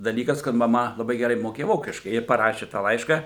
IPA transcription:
dɐˈlʲiːkɐs kɐt mɐˈmɐ lˠɐˈbɐɪ ɡʲɛˈrɐɪ moːˈkʲeːjɛ ˈʋoːkʲɪʃkɐɪ ɪr pɐˈrɑːʃʲɪ tɑː ˈlˠɐɪʃkɐ

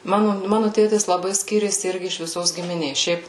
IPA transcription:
ˈmɑːnʊ ˈmɑːnʊ ˈtʲeːtʲɪs lˠɐˈbɐɪ ˈsʲkʲiːrʲeːsʲɪ ˈɪrʲɡʲɪ ɪʃ ʋʲɪˈsoːs ɡʲɪmʲɪˈnʲeːs ˈʃʲɛɪp

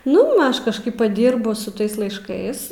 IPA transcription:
ˈnʊ m ˈɐʃ kɐʃˈkɐɪp pɐˈdʲiːrbʊ sʊ ˈtɐɪs lˠɐɪʃˈkɐɪs

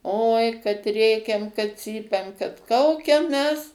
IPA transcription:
oːɪ kɐt ˈrʲeːkʲɛm kɐt ˈt͡sʲiːpʲɛm kɐt ˈkɐʊkʲɛm ˈmʲɛs

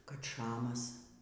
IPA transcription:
kɐt ˈʃɑːmɐs

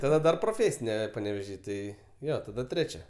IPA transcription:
tɐˈdɐ dɐr proːˈfʲeːsʲɪnʲɛ pɐnʲɛʋʲɛˈʒʲiː ˈtɐɪ ˈjoː tɐˈdɐ ˈtʲrʲæːt͡ʃʲɛ

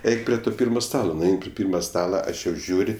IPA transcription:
ˈɛɪk pʲrʲɪ ˈtoː ˈpʲiːrmɐ ˈstɑːlˠoː nʊˈɛɪn pʲrʲɪ ˈpʲiːrmɐ ˈstɑːlˠɐ ˈɐʃ jɛʊ ˈʒʲuːrʲ

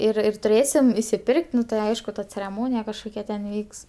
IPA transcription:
ɪr ɪr tʊˈrʲeːsʲɪm ɪsʲɪˈpʲɪrʲkʲtʲ ˈnʊ tɐɪ ˈɐɪʃkʊ tɐ t͡sʲɛrʲɛˈmoːnʲɪjɛ kɐʃˈkoːkʲɛ tʲɛn ˈʋʲiːks

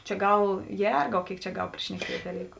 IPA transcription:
t͡ʃʲɛ ˈɡɐlˠ ˈjɛrɡɐʊ ˈkʲeːɪk t͡ʃʲɛ ˈɡɐlˠ pʲrʲɪʃʲnʲɛˈkʲiɛtʲ dɐˈlʲiːkʊ

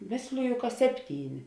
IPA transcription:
ˈmʲeːsʲlʲɪjʊ kɐ ˈsʲæːpʲˌtʲiːˌnʲɪ

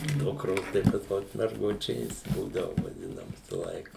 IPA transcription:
ˈdʊkroːs tɐɪ pɐs ˈmʊs mʲɛrˈɡʊt͡ʃʲeːs ˈbuːdɐʋʊ ʋɐˈdʲɪnɐ ˈʋʲɪsɐ ˈlˠɐɪkɐ

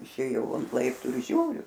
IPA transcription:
ɪʃʲˈeːjɛʊ ɐnt ˈlˠɐɪptuː ɪr ˈʒʲuːrʲʊ

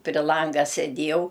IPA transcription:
pʲrʲɪ ˈlˠɐŋɡɐ sʲɛˈdʲiɛjɛʊ

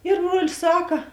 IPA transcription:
ɪr ˈbruɔlʲɪs ˈsɑːkɐ

